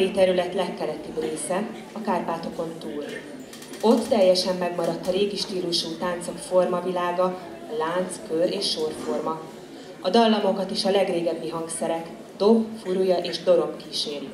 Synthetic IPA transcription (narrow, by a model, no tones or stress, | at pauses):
it̪ɛɾylɛt̪lɛkːɛlɛt̪ibreːsɛ | ɒkaːrpaːt̪o̞ko̞nt̪uːl | o̞t̪ːɛjːɛʃɛmːɛɡmɒɾɒt̪ːɒɾeːɡiʃt̪iːluʃuːt̪aːnt̪sɒkfo̞rmɒvilaːɡɒ | laːnt̪skøɾeːʃːo̞rfo̞rmɒ | ɒd̪ɒlːɒmo̞kɒt̪iʃɒlɛɡreːɡɛbːiɦɒŋɡsɛɾɛk | d̪̥o̞bfuɾujɒʔeːʒd̪o̞ɾo̞bkiːʃeːɾ